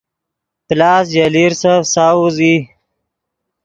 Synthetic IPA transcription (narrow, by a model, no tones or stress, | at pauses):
plɑːs̬d͡ʒaliɾsafsawuzi